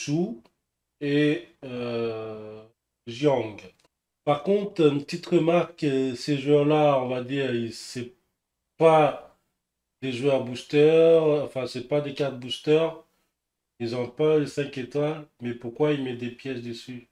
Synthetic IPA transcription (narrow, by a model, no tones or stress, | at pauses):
su | eø | ʒjɔ̃ɡ | paʁkɔ̃t̪χnpət̪it̪ʁəmaʁkseʒwœʁlaɔ̃vad̪iːʁisɛ | pa | d̪eʒwœʁbust̪œʁɑ̃fɛ̃sɛpad̪ekaʁt̪̚bust̪œʁ | ilzɔ̃palesɛ̃ket̪walmɛpuʁkwailmɛd̪epjɛsd̪əsy